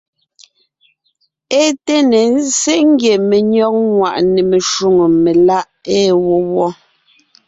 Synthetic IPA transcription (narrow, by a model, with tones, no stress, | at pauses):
e˦te˦ne˨n̩˦se˦ŋ̩˦ɡje˨me˨ɲɔ˦k̚ŋwa˨ʔne˨me˨ʃu˦ŋo˨me˨la˦ʔe˦wo˦wɔ˦